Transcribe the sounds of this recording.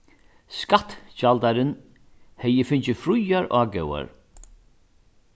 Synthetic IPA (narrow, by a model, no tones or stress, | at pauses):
skat̪t͡ʃalt̪aɾɪn | hɛjəfɪɲt͡ʃɪfɾʊjaɾʔaːɡɛwa̰ɹ